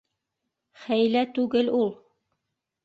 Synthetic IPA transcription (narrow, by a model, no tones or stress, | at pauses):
χæjlæt̪ʉɡɘlulˠ